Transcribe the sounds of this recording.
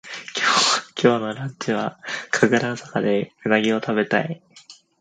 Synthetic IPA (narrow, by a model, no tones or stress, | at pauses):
kʲʰoːkʲʰo̞ːno̞ɾãɲt͡ɕiβakʰaɡɯɾasakad̪e̞mɯnaɡʲio̞t̪aβe̞t̪ai